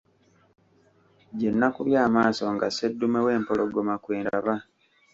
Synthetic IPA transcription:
ɟenːakuβjaːmaːso̞ŋɡasedːumewe̞ːmpoloɡomakweːndaβa

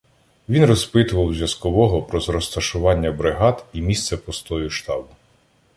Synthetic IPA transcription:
ʋʲinrɔspɪt̪ʊʋɐwzʲjɐskɔʋɔɦɔpɾɔzɾɔst̪ɐʃʊʋɑnʲːɐbɾɪɦɑd̪imʲist̪sɛpɔst̪ɔjʊʃt̪ɑbʊ

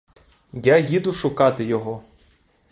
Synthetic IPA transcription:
jajid̪ʊʃʊkɑt̪ɪjɔɦɔ

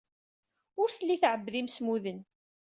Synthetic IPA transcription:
ʊɾθəlːiθʕəbːðimsmuðən

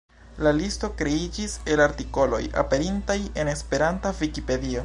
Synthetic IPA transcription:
lalisto̞kɾe̞id͡ʒise̞laɾtiko̞lo̞̰ja̰pe̞ɾintaje̞ne̞spe̞ɾantavikipe̞dio̞

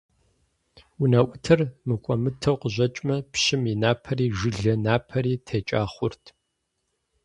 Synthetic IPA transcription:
ʊnaʔʷʊtʰɨrmɨkʷʼɔmɨtʰɐwqəʑʷɐt͡ʃʼmɐpɕɪminaːpʰɐriːʒɨɮɐnaːpʰɐɾiːtʰeːt͡ʃʼaːχʷʊrtʰ

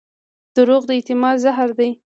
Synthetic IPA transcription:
d̪̥əɾoɣd̪əɪt̪ɪmɑd̪zaɦaɾd̪aj

